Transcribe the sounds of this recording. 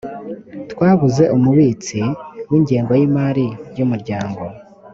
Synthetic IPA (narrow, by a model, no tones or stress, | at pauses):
tkwaːβuze̞ʔumuβiːt͡siwiːɲɟeːŋɡojimaːɾiɾjumuɾɟaːŋɡo̞